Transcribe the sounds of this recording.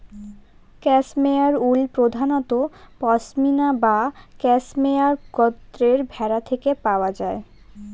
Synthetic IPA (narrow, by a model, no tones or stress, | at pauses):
kɛsmeaɾulpɾod̪ʱanɔt̪opɔsminabakɛsmeaɾɡɔt̪ːɾeɾbʱɛɾat̪ʰekepaoad͡ʑae